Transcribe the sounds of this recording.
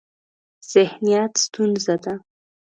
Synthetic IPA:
z̥ɪhnijat̪st̪unzad̪a

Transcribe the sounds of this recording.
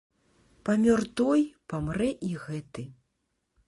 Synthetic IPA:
pamʲɔrt̪ɔjpamɾɛʔiɣɛt̪ɨ

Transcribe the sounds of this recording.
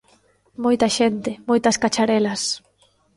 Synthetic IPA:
mojt̪ɐʃent̪ɪmojt̪ɐskat͡ʃaɾɛlɐs

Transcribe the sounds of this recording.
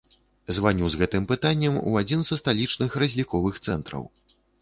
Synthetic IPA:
zvanʲuzɣɛt̪ɨmpɨt̪anʲːɛmṵad͡zʲinzɐst̪alʲit͡ʂnɨxɾɐzʲlʲikɔvɨxt̪sɛ̰nt̪ɾɐ̰w

